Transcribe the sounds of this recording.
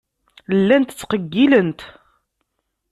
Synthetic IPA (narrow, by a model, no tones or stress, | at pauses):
lːænt̪t͡sːqəɡːilənt̪